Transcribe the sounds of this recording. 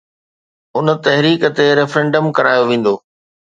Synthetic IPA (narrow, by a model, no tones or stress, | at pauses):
ʊnə̆t̪ɐɦɪɾiːkə̆t̪eɾɛfɾɛ̃ɳɖəmkɐɾaːjoʋẽːn̆d̪oː